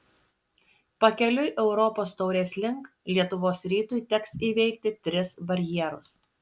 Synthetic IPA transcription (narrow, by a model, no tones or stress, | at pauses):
pɐkʲɛlʲʊjʔɛʊɾɔpoːst̪ɒʊɾʲeːsʲlʲɪŋk | lʲiɛt̪ʊʋoːsɾʲiːt̪ʊjt̪ʲɛksiːʋʲɛɪkt̪ʲɪt̪ʲɾʲɪsbɐɾʲjiɛɾʊ̰s